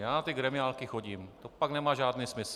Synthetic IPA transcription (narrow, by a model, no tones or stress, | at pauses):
jaːnat̪ɪɡɾɛmɪaːlkɪxoɟiːmt̪opaɡnɛmaːʒaːdniːsmɪs